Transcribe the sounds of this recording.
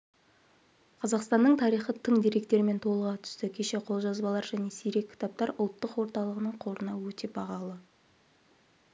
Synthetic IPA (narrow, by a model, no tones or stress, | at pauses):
qʰɑzɑqst̪ɑnːəɴt̪ʰɑɾijχət̪ʰəɴd̪ijɾe̞k̚t̪e̞ɾɪme̞nt̪ʰo̞lˠəʁɑt̪ʰʏ̥st̪ɪkʲʰe̞ʃe̞qʰo̞lˠʒɑzbɑlˠɑɾʒæne̞sijɾe̞kʲʰːɪ̥t̪ɑp̚t̪ɑɾʊlˠt̪ːəqwo̞ɾt̪ɑlˠəʁənəɴqʰo̞ɾənɑwɵt̪e̞bɑʁɑlˠə